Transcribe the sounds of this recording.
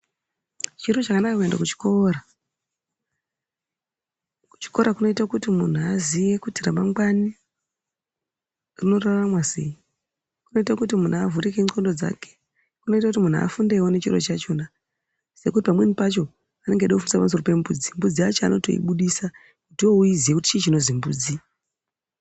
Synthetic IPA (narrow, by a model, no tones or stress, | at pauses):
t͡ʃiɾo̞t͡ʃakanakakue̞nda̰kut͡ʃi̥ko̞ːra | ku̥t͡ʃi̥ko̞ɾakuno̞itakutimun̤uazije̞kutiramaŋɡwani | rino̞raramwasḛji | kuno̞itakutimun̤uavuɾikeŋ͡ǀo̞ndo̞d͡za̰ke̥ | kuno̞itakut̬imun̤ua̰fundewone̞t͡ʃirot͡ʃat͡ʃo̞na | se̞kutipamwenipat͡ʃo̞ | ane̞ŋɡeɗakufundisapams̬o̞rope̞mbṵd͡zimbud͡ziat͡ʃoa̰no̞̰to̞̰ḭɓuɗisa | kutouizijekuti̥t͡ʃet͡ʃino̞zimbṵːd͡zi